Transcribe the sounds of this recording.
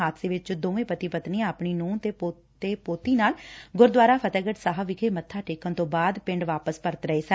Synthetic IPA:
aːt̪seːʋɪt͡ʃd̪õːʋẽːpət̪iːpət̪nĩːaːpɳiːnũːt̪eːpo | t̪eːpoːt̪iːnaːlɡʊɾd̪ʋaːɾaːpʰət̪ɛːɡəʈsaːɦəʋɪkʰeːmət̪ʰːaːʈeːkənt̪õːbaːd̪pɪ̃ɳɖʋaːpəspəɾət̪ɾəeːsə

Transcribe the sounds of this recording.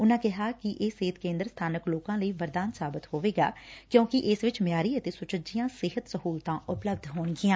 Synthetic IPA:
ʊnãːkɪɦaːkɪʔeːseːt̪kẽːnd̪əɾst̪ʰaːnəkloːkãːləiːʋəɾd̪aːnsaːbɪt̪hoːʋeːɡa̰ːkjõːkɪʔɪsʋɪt͡ʃmjaːɾiːət̪eːsʊt͡ʃəd͡ʒɪjãːsɪɦət̪səɦuːlt̪ãːʔʊpləbd̪ʱɦoːɳɡɪjãː

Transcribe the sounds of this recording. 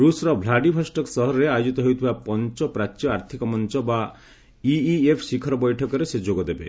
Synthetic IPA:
ɾusɾɔbʱlaɖibʱɔsʈɔksɔɦɔɾɔɾeajod͡ʒit̪ɔɦojt̪ʰibapɔnt͡ʃɔpɾat͡ʃjɔaɾt̪ʰikɔmɔnt͡ʃɔba | iiepʰsikʰɔɾɔbɔjʈʰɔkɔɾesed͡ʒoɡɔd̪ebḛ

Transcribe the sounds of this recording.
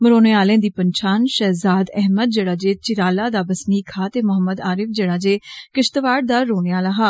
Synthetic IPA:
məɾoːneːaːlẽːd̪iːpəɲt͡ʃʰaːnʃɛːzaːd̪ɛɦməd̪̚d͡ʒeːɽaːd͡ʒeːt͡ʃɪɾaːlaːd̪aːbəsniːkʰaːt̪eːmʊɦəmːəd̪aːɾɪfd͡ʒeːɽaːd͡ʒeːkɪʃt̪əʋaːɽ̚d̪aːɾoːneːaːlaːɦaː

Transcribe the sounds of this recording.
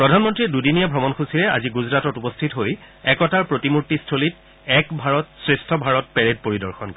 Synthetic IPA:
pɹɔdʱanmɔntɹidudinijabʱɹɔmɔnkʰusiɹɛa̰ziɡuzɹatɔtupɔstʰitɦoj | ɛkɔtaɹpɹotimuɹtistʰolit | ɛkbʱaɹɔtsɹestʰɔbʱaɹɔt̚pɛɹed̚poɹidɔɹxɔnk

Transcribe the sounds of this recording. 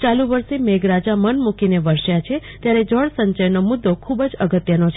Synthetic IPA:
t͡ʃaluʋəɾʃemeɡɾad͡ʒamənmukineʋəɾʃjat͡ʃʰet̪jaɾed͡ʒəɭsəɲt͡ʃəjnomʊd̪ʱːokʰubd͡ʒəɡət̪jənot͡ʃʰ

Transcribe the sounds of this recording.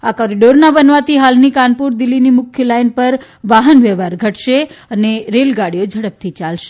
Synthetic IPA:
akɔɾiɖoɾnabənʋat̪ʰiɦalnikanpuɾd̪ilːinimʊkʰjəlainpəɾ | ʋaɦənʋɛʋaɾɡʱəʈʃeəneɾelɡaɽijod͡ʒʱəɽəp̚t̪ʰit͡ʃalʃe

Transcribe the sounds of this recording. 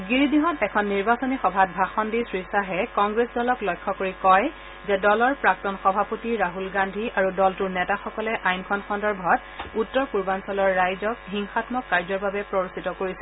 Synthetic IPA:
ɡiɹidiɦɔtɛkʰɔnːiɹbasonixɔbʱat̚bʱaxɔndisɹisaɦɛkɔŋɡɹesdɔlɔklɔjkʰːɔkoɹikɔj | zɛdɔlɔɹpɹaktɔnxɔbʱapotiɹaɦulɡandʱiaɹudɔltuɹnɛtaxɔkɔlɛʔajnkʰɔnxʰɔndɔɹbʱɔt | utːɔɹkuɹbansɔlɔɹːajzɔk̚ɦiŋxatmɔkːaɹzɔɹbabɛpɹɔɹositɔkoɹisɛ

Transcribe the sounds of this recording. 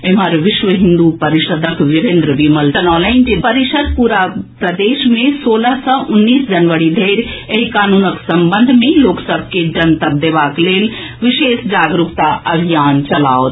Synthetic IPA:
eməɾʋɪʃʋəɦɪ̃nd̪upɐɾiʃəd̪əkʋɪɾẽnd̪ɾəʋiːmɐltɐnɔːlaɪnd͡ʒepɐɾɪʃəd̪̚puːɾapɾɐd̪eːʃmẽsoːləɦsɔ̃ʔʊnːiːsd͡ʒɐnʋəɾid̪ʱeːɾeikaːnuːnəksɐmbənd̪ʱmẽloːksəbʱked͡ʒɐnt̪ɐb̚d̪eʋaːkleːl | ʋɪʃeːsd͡ʒaːɡɾukt̪aʔɐbʱijaːnt͡ʃɐlaːot̪

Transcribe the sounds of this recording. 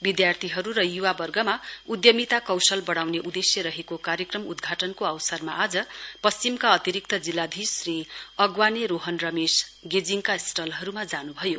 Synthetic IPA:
bid̪jart̪ʰiɦʌɾuɾʌjuwabʌrɡʌmaud̪jʌmit̪akʌwsʌlbʌɽ̃awneʔud̪esjʌɾʌɦekokaɾjʌkrʌmud̪ɡʱaʈʌnkoʌwsʌrmaad͡zʌpʌst͡ɕimkaʌt̪iɾik̚t̪ʰʌd͡zilːad̪ʱisriʌɡwaneɾoɦʌnrʌmesɡed͡ziŋkasʈʌlɦʌɾumad͡zanubʱʌjo

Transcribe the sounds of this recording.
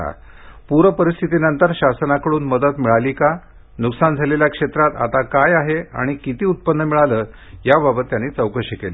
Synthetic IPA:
a̰ | puɾəpəɾist̪ʰit̪inənt̪əɾɕasənakəɽuːnməd̪ət̪miɭaliːka | nuksand͡zʱaleljakʂet̪ɾat̪a̰t̪akajaɦea̰ɽ̃ikit̪iːut̪̚pənːəmiɭaləː | jababət̪janːiːt͡səwkəɕikeliː

